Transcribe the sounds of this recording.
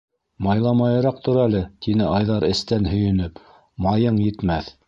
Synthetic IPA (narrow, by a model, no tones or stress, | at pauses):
mɑjlˠɑmɑjɤ̆ɾɑq̚t̪ŏɾælɘt̪inɘʔɑjðɑɾɘ̆st̪ænhɵ̆jɵ̆nɵp | mɑjɤɴjɘ̆t̪mæθ